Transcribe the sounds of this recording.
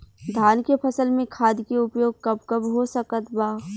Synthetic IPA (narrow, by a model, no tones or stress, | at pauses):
d̪ʱaːnkepʰɐsəlmẽkʰaːd̪keʊpjoːɡ̚kɐbkɐbɦosəkət̪baː